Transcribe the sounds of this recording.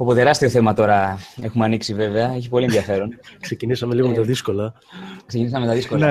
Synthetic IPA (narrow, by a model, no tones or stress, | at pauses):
opot̪e̞ɾɐst̪io̞θe̞mɐt̪o̞ɾɐe̞xumeɐniksive̞ve̞ɐeçipo̞lienðʝɐfe̞ɾo̞nksecinisɐmeliɣo̞met̪ɐðisko̞lɐ | ksecinis̬ɐmemet̪ɐðiskol